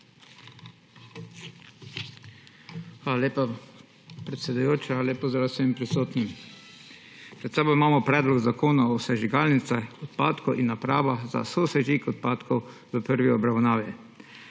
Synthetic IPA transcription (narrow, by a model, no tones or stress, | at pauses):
xʋaːlaleːpa | pɾɛt̪sʲɛd̪ujoːt͡ʃaleːpɔzd̪ɾawsɛmpɾisoːt̪nim | pɾɛt̪sɛːbɔimaːmɔpɾɛːd̪lɔɡzakʰoːnaɔwsɛʒiɡaːlnit̪sɛɔt̪paːt̪kɔʔinːapɾaːʋaza̰sosɛʒikɔt̪̚paːt̪kʰɔwʋəpəɾʋiɔbɾawnaːʋjɛ